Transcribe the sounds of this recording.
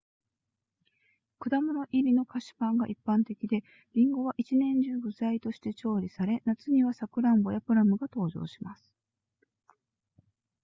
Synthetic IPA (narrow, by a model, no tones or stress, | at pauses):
kɯ̟d̪amoɾoʔiɾʲino̞kaɕi̥pãŋɡaʔipːãnt̪e̞kʲid̪e̞ | ɾʲĩŋɡo̞β̞aʔit͡ɕinẽ̞ɲ̟d͡ʑɨːbɯ̟zait̪o̞ɕi̥t̪e̞t͡ɕo̞ːɾʲisaɾe̞nat͡sɨɲ̟iβasakɯ̟ɾãmbo̞japɯ̟ɾamɯ̟ɡat̪o̞ːʑo̞̰ːɕimasɨ̥